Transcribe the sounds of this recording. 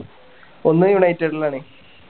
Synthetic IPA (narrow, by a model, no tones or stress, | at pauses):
onːɨjuɳɐjitːeɖilaːɳe